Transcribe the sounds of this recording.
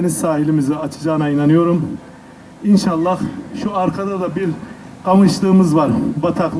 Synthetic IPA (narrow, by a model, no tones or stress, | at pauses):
enisaːɦilʲimiziat͡ʃʰɯ̥d͡ʒaːnainanɯjo̞ɾum | inʃalˠːahʃuaɾkʰad̪ad̪abiɾ | amɯʃlˠɯːmɯzvaɾbat̪ʰakˠ